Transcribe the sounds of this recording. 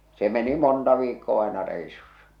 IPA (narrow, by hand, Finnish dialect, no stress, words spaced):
se meni montɑ ʋiːkːoː ɑˑe̝nɑ reˑisusːɑ